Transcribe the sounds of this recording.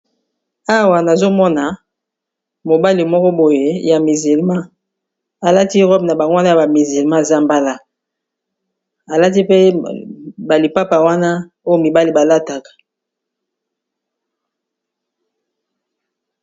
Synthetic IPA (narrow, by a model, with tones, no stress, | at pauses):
a˦wa˨na˨zo˦mɔ˦na˨ | mo˨ba˦li˨mɔ˦kɔ˦bo˨je˨ja˨mi˨zi˨lmã˦ | a˨la˦ti˦ʁɔ˦bna˨ba˨ŋɡo˦a˦na˦ja˨ba˨mi˨zi˨lmã˦e˨za˦˨mba˦la˦ | a˨la˦ti˦pe˦ | ba˨li˨pa˦pa˨wa˦na˦ | o˦jo˦˨mi˨ba˦li˨ba˨la˦ta˨kḁ˨